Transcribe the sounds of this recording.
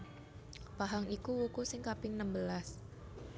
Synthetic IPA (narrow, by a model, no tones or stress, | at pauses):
paɦaŋikuwukusɪŋkapɪŋnəmbəlas